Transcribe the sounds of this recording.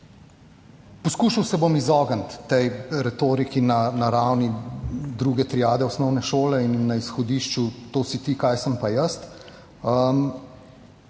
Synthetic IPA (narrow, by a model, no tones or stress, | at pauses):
pɔskuːʃawsɛbomizɔːɡənt̪ːɛjɾɛt̪oːɾikinanaɾawnid̪ɾuːɡɛt̪ɾiaːd̪ɛɔsnɔwnɛʃoːlɛinːɐisxɔd̪iːʃt͡ʃut̪oːsit̪iːkajsəmpajəst̪ | əm